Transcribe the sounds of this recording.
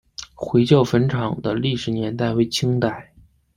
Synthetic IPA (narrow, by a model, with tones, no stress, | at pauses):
xwe˧˥ɪt͡ɕjɑ˥˩ʊfə˧˥nʈ͡ʂʰɑ˨˩ŋd̪ə˦li˥˩ʂɻ̩˨˩njɛ˧˥nt̪̬a˥˩ɪwe˧˥ɪt͡ɕʰi˥ŋt̪a˥˩ɪ